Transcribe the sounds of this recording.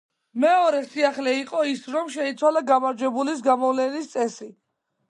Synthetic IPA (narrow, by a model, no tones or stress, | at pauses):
mɛɔɾɛsiaχlɛiqʼɔisɾɔmʃɛit̪sʰwalaɡamaɾd͡ʒɛbulis̬ɡamɔvlɛnist̪sʼɛsi